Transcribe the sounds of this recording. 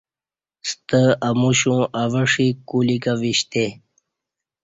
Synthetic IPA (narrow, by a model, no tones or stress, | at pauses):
st̪əəmuɕũaʋəʂikulikaʋiɕt̪e